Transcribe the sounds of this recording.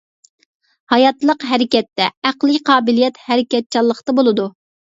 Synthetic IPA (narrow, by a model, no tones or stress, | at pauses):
hɑjɑt̪lˠəqɦɛɾɪkʲɛt̪ːɛæqlˠɪkʲqʰɑːbɪlijɛt̪hɛɾɪkʲɛt̪̚t͡ʃʰɑlˠːəqt̪ɑbolˠɨd̪u